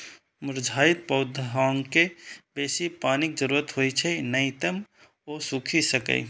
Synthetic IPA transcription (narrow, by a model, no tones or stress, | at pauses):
mʊɾd͡ʒʱaːɪt̪̚pəʊd̪ʱɦaːŋkebeːsipaːnik̚d͡ʒəɾuɾət̪ɦojt͡ʃʰɛnət̪əm | oːsukʰisəkə̰i